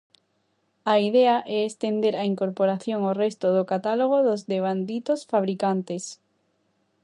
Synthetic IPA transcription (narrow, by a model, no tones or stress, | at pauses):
aiðɛaʔɛest̪end̪eɾaiŋkoɾpoɾaθjoŋorest̪oðokat̪aloɣ̞oðozðeβ̞and̪it̪osfaβ̞ɾikant̪es